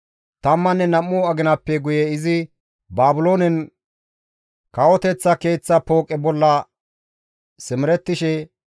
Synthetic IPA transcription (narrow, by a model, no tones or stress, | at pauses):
t̪ɐmːɐnːɛnɐmːʊɐɡɪnɐpːɛɡʊjɛɪzɪ | baːbʊlo̞ːnɛn | kɐwɔt̪ɛt͡sːɐke̞ːt͡sːɐpo̞ːkʼːɛbɔlːɐ | sɪmɪɾɛt̪ːɪʃɛ